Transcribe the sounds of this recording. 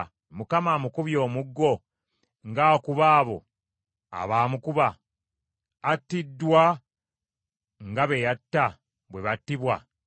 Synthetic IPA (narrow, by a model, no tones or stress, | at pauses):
mukamaːmukuβjo̞ːmuɡːo̞ | ŋɡaːkuβaːβo̞̰ | a̰βaːmukuβa | tːidːwa | ŋɡaβe̞jatːa | βwe̞βatːiβwa